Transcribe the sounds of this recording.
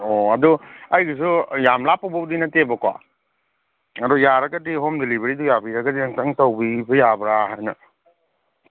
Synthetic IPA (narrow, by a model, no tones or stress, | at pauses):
oɐduɐjɡɐs̬ujamlapːawbɐdinɐtebɐkwa̰ | ɐdujaɾɐɡɐdiɦomdelibɾidujabiɾɐɡɐdiaŋtaŋtawbibɯjabɾaɦajnɐ